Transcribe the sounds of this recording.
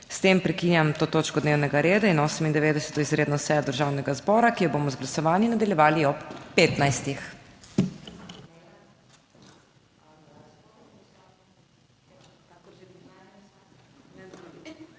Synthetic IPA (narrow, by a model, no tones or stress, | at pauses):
st̪empɾɛkinjamt̪oːt̪oːt͡ʃkɔd̪neːwnɛɡaɾeːd̪ainoːsɛmind̪ɛʋeːd̪ɛsɛ̥t̪ɔizɾeːd̪nɔsɛjɔd̪əɾʒaːwnɛɡazbɔːɾakijɔbomɔzɡlasɔʋaːnjinad̪aljɛʋaːliɔpːeːt̪najst̪ix